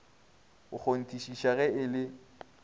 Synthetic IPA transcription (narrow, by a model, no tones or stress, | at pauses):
ʊk͡xʰon̩tʼiʃiʃaɣɛɪlɪ